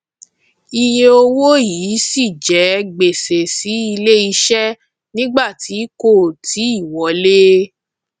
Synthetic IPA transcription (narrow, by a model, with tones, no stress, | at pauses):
i˧je˧o˧wo˦jiː˨˦si˦˨d͡ʒɛ˨˦ɡ͡be˨se˨si˨˦i˧le˦i˧ʃɛ˦ | nĩ˦ɡ͡ba˦˨ti˨˦ko˦˨ti˨˦i˦˨wɔ˨˦le˦